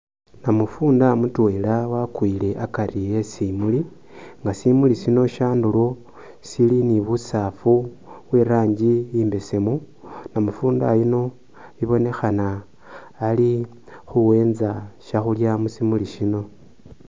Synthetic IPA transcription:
namufuːndamutwelawakwile̞ʔakaɾijesimuli | ŋɡasimulisino̞ʃaːndulo | siliniβusaːfu | βweɾaːɲɟijiːmbe̞se̞mu | namufuːnda̰jino̞ | βiβo̞ne̞xanaː | li | xuwe̞ːnzaʃaxuljamusimuliʃino̞

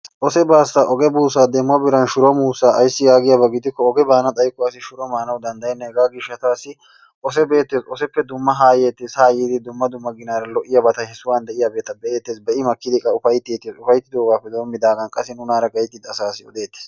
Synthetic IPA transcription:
ʔɔsɛbaːsːaʔɔɡɛbuːsaːd̪ɛmʊwɐbɪɾɐnʃʊɾɔmuːsaːʔɐjsːɪjaːɡɪjabɐɡɪd̪ɪkːɔɔɡɛbaːnɐt̪ʼɐjkːɔɐsɪʃʊɾɔmaːnɐwd̪ɐnd̪ɐjɛnːɛɛɡaːɡɪʃːɐt̪aːsːɪ | ʔɔs̬ɛbe̞ːt̪ːeːsɔsɛpːɛd̪ʊmːɐɦaːjeːt̪ːɪsaːjiːd̪ɪd̪ʊmːɐd̪ʊmːɐɡɪnaːɾɐlɔʔːɪjabɐt̪ɐhɛsʊwaːnd̪ɛʔɪjabeːt̪ːɐbɛʔe̞ːt̪ːeːsbɛʔɪmɐkːɪd̪ɪkʼɐʊfɐjt̪ːeːt̪ːeːsʊfɐjt̪ːɪd̪o̞ːɡaːpːɛd̪o̞ːmːɪd̪aːɡɐnkʼɐsɛnʊnaːɾɐɡɐjt̪ːɪd̪ɐsaːsɪɔd̪eːt̪ːɛ̥s

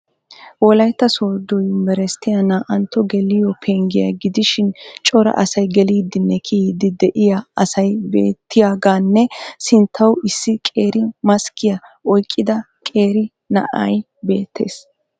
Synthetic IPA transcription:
wɔlɐjt̪ːɐsoːd̪ɔjmɛɾɛst̪ːɪjɐnaːʔɐnt̪ːɔɡɛlɪjɔpʰeːŋɡɪjɐ̰ɡɪd̪ɪʃɪnt͡ʃʼɔɾɐ̰ʔɐsɐjɡɛliːd̪ːɪnːɛkʰid̪ɪd̪ɛʔɪjɐɐsɐjbeːt̪ːɪjaːɡaːnːɛsɪnt̪ʰːɐwɪsːɪkʼe̞ːɾɪmɐskɪjɐɔjkʼːɪd̪ɐ | kʼe̞ːɾɪ | nɐ̰ʔɐ̰j | be̞ːt̪ʰːe̞̰ːs

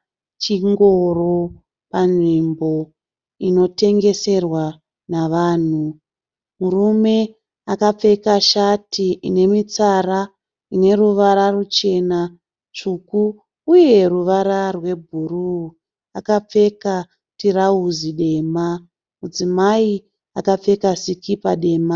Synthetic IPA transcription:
t͡ʃiŋɡo̞ro̞ | panʐimbo̞ | ino̞te̞ŋɡe̞se̞rwa | naʋaːn̤u | murume̞ | akap͡fe̞kaʃatiine̞mit͡sara | ine̞ruʋaɾarut͡ʃe̞na | t͡ʃukuː | je̞ruʋaɾarwe̞bʱuru | akap͡fe̞ka | tirauziɗe̞ma | mud͡zimai | akap͡fe̞kasikʰipaɗe̞ːma

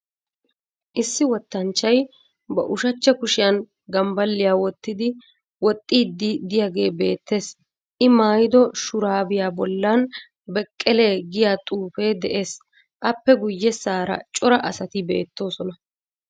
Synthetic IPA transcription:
ʔɪsːɪwɔt̪ːɐnt͡ʃːɐj | bɐ̰ʔʊʃɐt͡ʃːɐkʊʃɪjɐn | ɡɐmbɐlːɪjaːwɔt̪ːɪd̪ɪ | wɔt̪ʼːiːd̪ːɪd̪ɪjaːɡe̞ːbe̞ːt̪ʰːe̞ːs | ʔɪmaːjɪd̪ɔʃʊɾaːbɪjaːbɔlːɐn | bɛkʼːɛle̞ːɡɪjaːt̪ʼuːfe̞ːd̪ɛʔe̞ːs | ʔɐpːɛɡʊjːɛsaːɾɐ̰t͡ʃʼɔɾɐʔɐsɐt̪ɪbe̞̰ːt̪ːo̞ːsɔnɐ

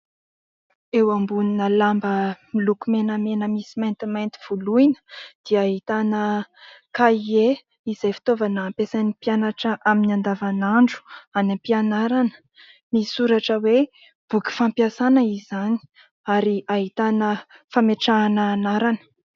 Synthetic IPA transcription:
ewambuninəlambəmilukumenəmenəmisimajnt̪imajnt̪i̥v̥uluinə̥d̪̥iəaɦit̪anəkaie | izajfi̥t̪ovanaːmpesanipianaʈ͡ʂəʔaminiand̪avanaɳɖ͡ʐu̥animpianaɾanə̥ | miisuɾaʈ͡ʂəwe | b̥uki̥fampjasanəizani̥ | aɾiaɦit̪anəfameʈ͡ʂanəːnaɾanə̥

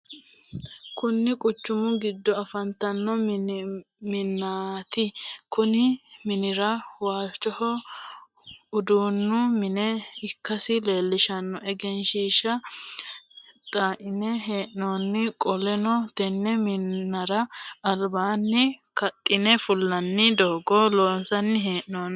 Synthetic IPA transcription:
kʊnːɪkʼʊt͡ʃːʊmʊɡɪd̪ːɔɐfɐnt̪ɐnːɔ | mɪnːaːt̪ɪkʊnɪmɪnɪɾɐwaːt͡ʃʼːɔhɔ | ʊd̪uːnːʊmɪnɛɪkːɐsɪle̞ːlːɪʃɐnːɔʔɛɡɛnʃiːʃɐ | t̪ʼaːʔɪnɛɦeːʔnoːnːɪkʼɔlɛnɔt̪ɛnːɛmɪnːɐɾɐːlbaːnːɪkɐt̪ʼːɪnɛfʊlːɐnːɪd̪oːɡɔloːnsɐnːɪɦeːʔnoːn

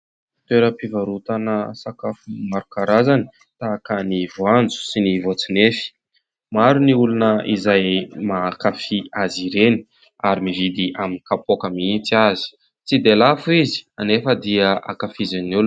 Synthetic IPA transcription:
t̪weɾəpivaɾut̪anəsakafumaɾukaɾazani̥ | t̪akənivoand͡zu̥sinivot͡sinefi̥ | maɾuniulunəizajmakafiaziɾeni̥ | aɾimivid̪iʔaminikapokəmiit͡sazi̥ | t͡sid̪elafuizi̥anefəd̪iəʔa̰kafizannul

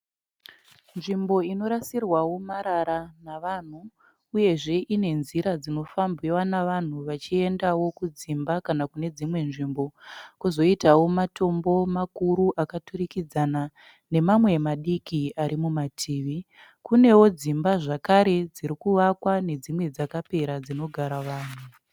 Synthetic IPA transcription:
nʐimbo̞ino̞ɾasirwawo̞maɾaɾanaʋan̤uː | je̞ʐe̞ʔine̞nziɾad͡zino̞fambiwanaʋan̤uʋat͡ʃie̞ndawo̞kud͡zimbakanakune̞d͡zimwe̞nʐimbo̞kuzo̞itawo̞mato̞mbo̞makuɾuʔakaturikid͡zana | ne̞mamwe̞maɗikiaɾimumatʰiːʋi | kune̞wo̞d͡zimbaʐakaɾe̞d͡ziɾikuʋakwane̞d͡zimwe̞d͡zakape̞ɾad͡zino̞ɡʱaɾaʋaːn̤u

